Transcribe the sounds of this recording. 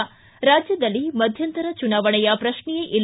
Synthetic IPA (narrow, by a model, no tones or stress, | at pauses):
ɾaːd͡ʒjɐd̪ɐlːimɐd̪ʱjɐnt̪ɐɾɐt͡ʃunaːʋɐɳɛjɐpɾɐʃɳijeʔil